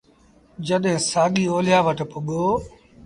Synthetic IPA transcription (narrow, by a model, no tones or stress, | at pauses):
d͡ʒəɗɦɪ̃ːsaːɠiːoːlɪjaːʋəʈpʊɠoː